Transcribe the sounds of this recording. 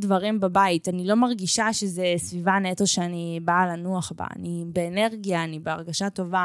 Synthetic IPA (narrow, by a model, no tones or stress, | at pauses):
dvaʁimbabaitanilo̞maʁɡiʃaʃezesvivanetoʃeanibalanuaχba̰a̰nibe̞ːne̞ʁɡijaːnibeaʁɡaʃato̞va